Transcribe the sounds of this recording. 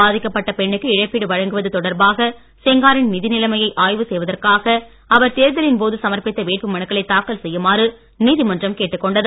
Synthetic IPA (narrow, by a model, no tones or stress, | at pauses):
aːðɪkːɐpːɐʈːɐpɛɳːɯkːɯɪɻɐɪpːiɽɯʋɐɻɐŋɡɯʋɐðɯt̪ɔɽɐɾbaːɣɐ | sɛŋɡaːɾɪnnɪðɪnɪlɐmɐjɐɪʔaːjʋɯsɛjʋɐðɐrkaːɣɐ | ɐʋɐɾt̪eːɾðɐlɪnpoːðɯsɐmɐɾpɪt̪ːɐʋeːʈ̚pɯmɐɳɯkːɐɭɐɪt̪ːaːkːɐlsɛjːɯmaːrɯ | niːðɪmɐndrɐmkeːʈːɯkːɔɳɖɐðɯ